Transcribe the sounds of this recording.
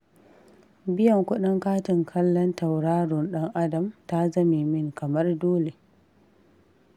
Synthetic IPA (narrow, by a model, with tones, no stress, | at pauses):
bɪ˦jɐ˨ŋkʷʊ˦ɗɪ˦ŋkaː˦tɪ˨ŋkʰɐ˦lːɔ˦nta˨wɽaː˦ɽʊ˨nɗɐ˦ŋʔa˦dɐ˨mta˦zɐ˦miː˨mɪ˦ŋkɐ˨mɐ˦rdoː˦le˨